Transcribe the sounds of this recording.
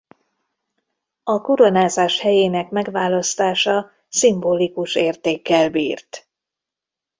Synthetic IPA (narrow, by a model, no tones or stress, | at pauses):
ɒkuɾonaːzaːʃhɛjeːnɛkmɛɡʋaːlɒst̪aːʃɒ | simboːlikuʃeːrt̪eːkːɛlbiːrt̪